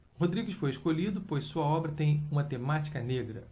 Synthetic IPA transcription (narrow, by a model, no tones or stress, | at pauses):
hod̪ɾiɡɪsfojɪʃkoʎid̪ʊpojssuɐɔbɾɐt̪ẽj̃ũmɐt̪emat͡ʃi̥kɐneɡɾɐ̰